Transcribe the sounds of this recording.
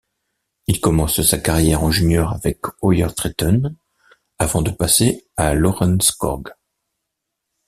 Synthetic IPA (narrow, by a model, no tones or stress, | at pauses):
ilkɔmɑ̃ssakaʁjɛʁɑ̃ʒynjœʁavɛkɔjœʁt̪χit̪ɔn | avɑ̃d̪əpasealɔʁɑ̃nskɔ̰ʁɡ